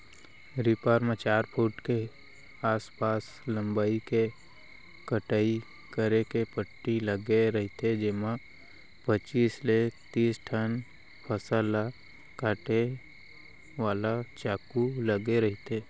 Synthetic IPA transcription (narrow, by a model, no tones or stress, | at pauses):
ɾipaːɾmat͡ʃaːɾpʰuʈke | aːspaːs | lə̃mbaːike | kəʈaːi | kəɾekepəʈːiləɡeɾɐɦt̪ʰed͡ʒɪma | pət͡ʃiːsleːt̪iːsʈʰən | pʰəsala | kaːʈe | ʋaːlat͡ʃaːkuləɡeɾɐɦɪt̪eː